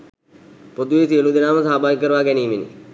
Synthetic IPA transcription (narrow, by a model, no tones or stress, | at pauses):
pod̪uʋesiəlud̪inaːməsaːbʱaːjikːəɾəʋaːkɛniːminḭ